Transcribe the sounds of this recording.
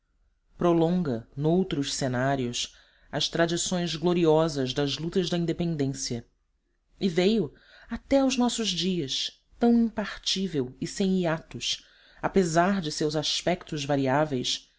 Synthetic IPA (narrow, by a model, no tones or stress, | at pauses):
pɾolõŋɡɐnowt̪ɾʊʃsenaɾiʊs | ɐst̪ɾad͡ʒisõj̃zɡloɾiɔzɐzd̪ɐzlut̪ɐzd̪ɐĩnd̪epẽnd̪ẽsiɐ | ɪvejʊ | at̪ɛʊznɔsʊzd͡ʒiɐs | t̪ɐ̃w̃ĩmpaχt͡ʃivewɪsẽj̃iat̪ʊs | apezaɾd͡ʒɪsewzaspɛkt̪ʊzvaɾiavejs